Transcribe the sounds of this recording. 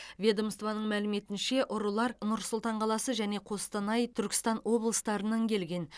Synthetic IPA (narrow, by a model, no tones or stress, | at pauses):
vʲe̞d̪omst̪vɑnəɴmælɪme̞t̪ɪnʃe̞ʔʊɾəlˠɑɾnʊɾsʊlˠt̪ɑɴqʰɑlˠɑsəʒæne̞qʰo̞st̪ɑnɑjt̪ʰʏɾkʲɪ̥st̪ɑnwo̞blˠəst̪ɑɾənɑŋkʲʰe̞lɡʲe̞n